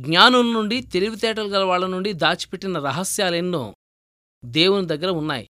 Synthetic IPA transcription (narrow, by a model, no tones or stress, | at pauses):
ɡɲaːnɐlnuɳɖit̪e̞liʋit̪ɛːʈ̬ɐlɐɡɐlɐʋaːɭːɐnuɳɖid̪aːt͡ʃi̥peʈːinɐɾɐɦɐsjaːlenːo̰ː | d̪eːwunud̪ɐɡːɐɾɐunːa̰ːjḭ